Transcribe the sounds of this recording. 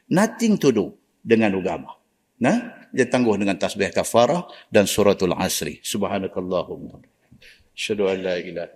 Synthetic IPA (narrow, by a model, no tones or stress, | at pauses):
nat̪ɪŋt̪udʊʔ | dəŋanuɡama | nahd͡ʒat̪aŋɡʊhdəŋant̪asbiahkafaɾahdansuɾat̪alʕa̰sɾḭsubhanakalˤːɑhʊma | aʃhaduanːaʔilah